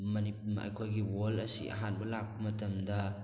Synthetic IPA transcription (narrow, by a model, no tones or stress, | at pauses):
mɐnipuma̰jkʰojɡiwolɐsḭʔɐ̰ɦanbɐlak̚bɐmɐtɐmdɐ